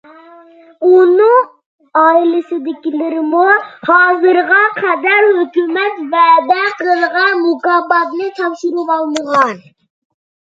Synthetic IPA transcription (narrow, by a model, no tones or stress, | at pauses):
unɨŋ | ɑːilɪsɪd̪ɪkʲilɪɾɪmuhɑːzɨɾʁɑqʰɛd̪æɾhøkʲymɛt̪vɛd̪ɛqəlˠʁɑmukɑːbɑt̪nɨt̪ʰɑfʃiɾupɑlˠməʁɑn